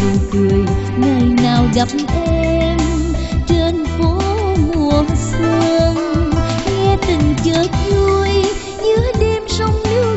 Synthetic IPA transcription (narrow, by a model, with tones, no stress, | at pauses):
ɨ˨˩t̪ɨ˨˩j | ŋəː˨˩jnaː˨˩wza˨˩p̚mʔɛɛɛ˧m | t͡ɕe˧˩nfo˧˦mu˨˩əswə˧əŋŋɛ˧t̪ï˨˩ŋ̟t͡ɕəː˨˦t̚zu˧əj | ɲɨ˨˧˦əɗe˧msə˧wŋ͡mlɨ˧˦